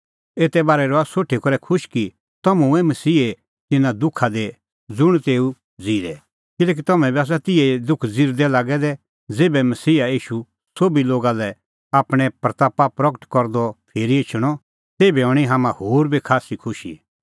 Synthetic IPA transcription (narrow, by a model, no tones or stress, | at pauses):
eːt̪ɛbaːɾɛɾɔasoːʈʰːikɔɾɛkʰʊʃki | t̪ɐmũɛmɐsiːe | t̪ɪnãd̪ʊkʰad̪e | d͡zʊɽ̃t̪eːu | d͡ziːɾɛ | kɪlɛːk̬it̪ɐmɛ̃biaːs̬at̪ɪɛd̪ʊkʰd͡ziɾd̪ɛlaːɡɛd̪ɛ | d͡zeːbɛmɐsiːaiːʃu | soːbiloːɡalɛ | aːpɽ̃ɛpɾɐt̪aːpapɾɔkəʈkɔɾd̪ɔpʰeːɾiɪt͡ʃʰɽ̃ɔ | t̪eːbɛɔɽ̃iɦaːmãhoːɾbʱikʰaːsikʰʊʃḭ